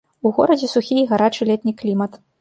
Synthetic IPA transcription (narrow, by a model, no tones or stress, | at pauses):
uɣɔɾɐd͡zʲɛsuxʲiɣaɾat͡ʂɨlʲɛt̪̚ʲnʲiklʲimɐt̪